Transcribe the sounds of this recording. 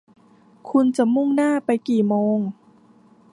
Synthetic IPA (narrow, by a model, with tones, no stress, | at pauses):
kʰu˧nt͡ɕa˨˩mu˥˩ŋnaː˥˩pa˧jkiː˨˩moː˧ŋ